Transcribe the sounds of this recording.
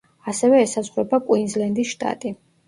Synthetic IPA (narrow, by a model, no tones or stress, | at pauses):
asɛvɛːsazʁɾɔbakʼwinzlɛnd̪isʃt̪ʼa̰t̪ʼi